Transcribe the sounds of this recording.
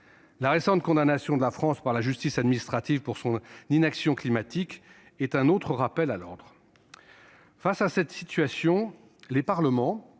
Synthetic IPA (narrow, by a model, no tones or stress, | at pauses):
laʁesɑ̃t̪̚kɔ̃d̪anasjɔ̃d̪əlafχɑ̃spaʁlaʒyst̪isad̪minist̪χat̪ivpuʁsɔ̃ninaksjɔ̃klimat̪ik | ɛt̪ɛ̃not̪χəʁapɛlalɔʁd̪ʁ | fasasɛt̪sit̪ɥasjɔ̃ | lepaʁləmɑ̃